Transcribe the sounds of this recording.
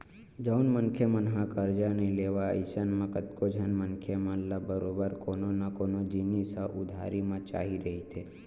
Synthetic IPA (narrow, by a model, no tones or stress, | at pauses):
d͡ʒəwnmənkʰjəmənɦãkəɾd͡ʒanileʋaə̰ɪsənmãkət̪kod͡ʒʱənmənkʰjəməllabəɾobəɾkononakonod͡ʒinisaʔud̪ʱa̰ɾimãt͡ʃa̰ɦiɾəɦit̪ʰe